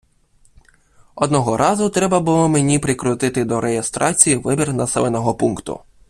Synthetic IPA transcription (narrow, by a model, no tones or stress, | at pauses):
ɔd̪nɔɦɔɾʔɑzʊt̪ɾɛbɐbʊlˠɔmenʲipɾɪkɾʊt̪ɪt̪ɪd̪ɔɾejest̪ɾʔɑt͡sʲijiʋɪbʲirnɐsɛlˠenɔɦɔpunkt̪ʊ̰